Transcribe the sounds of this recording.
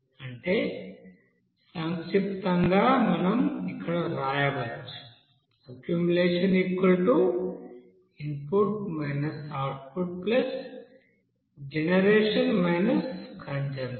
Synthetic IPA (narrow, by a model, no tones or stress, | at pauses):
ɐɳʈe | saŋipt̪ɐŋɡaːmɐnɐmikʰːɐɽɐɾaːjɐbɐlt͡ʃ | ɐkjumuleːʂɐniːkʋɐlʈu | inpuɾkmɐjnɐsaːɾʈ̚puɖ̚plɐs | d͡ʒenɐɾeːʂɐnmɐjnɐskʰɐɲd͡ʒɐn